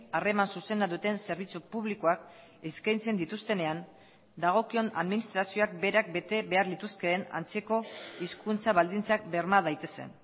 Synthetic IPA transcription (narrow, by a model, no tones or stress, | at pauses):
are̞mansuse̞naðut̪e̞nse̞ɾβ̞it͡supuβliko̞ak | eskajnt͡se̞nd̪it̪ust̪e̞ne̞an | d̪aɣ̞o̞kio̞na̰ðminist̪ɾasio̞ak̚be̞ɾak̚be̞t̪e̞βe̞aɾlit̪uske̞ːna̰nt͡se̞ko̞iskunt͡saβald̪int͡sak̚be̞ɾmaðajt̪e̞se̞̰n